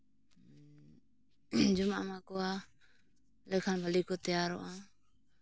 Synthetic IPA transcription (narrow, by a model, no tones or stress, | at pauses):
d͡ʒumaʔamakɔwa | lɛkʰanbʱalikɔt̪ɛjaɾɔ̰ʔa